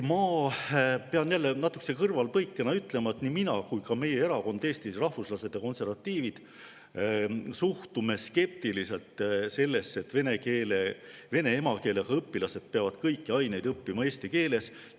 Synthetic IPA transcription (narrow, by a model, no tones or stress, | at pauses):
mɑː | peɑnjælːenɑt̪ːˑukːse̞kɤrvɑlpɤjkˑːenɑyt̪ːˑle̞mɑet̪niminɑkujkɑme̞je̞e̞ɾɑko̞nd̪eːst̪isrɑhvuslɑse̞d̪̥jɑko̞nse̞rvɑt̪ːˑiːvid̪̥ | suht̪ume̞ske̞p̚t̪ilise̞lt̪ˑse̞lːe̞sːe̞t̪ːve̞ne̞keːleve̞ne̞emɑke̞ːlekɑɤpːilɑse̞d̪̥̚peɑvɑd̪̥kɤjkːiɑjne̞jd̪ɤpːimɑe̞ːst̪ike̞ːle̞s